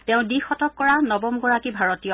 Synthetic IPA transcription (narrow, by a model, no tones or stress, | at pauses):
tɛʊ̃dixɔtɔkːɔɹanɔbɔmɡɔɹakibʱaɹɔtijɔ